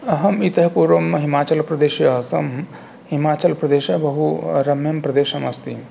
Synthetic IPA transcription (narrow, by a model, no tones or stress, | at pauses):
ɐɦɐmit̪ɐɦɐpuːɾʋɐmɦimaːt͡ʃɐlpɾɐd̪eːʃjɐɐsɐm | ɦimaːt͡ʃɐlpɾɐd̪eːʃɐbɐɦuɾɐmjɐmpɾɐd̪eːʃɐmɐst̪im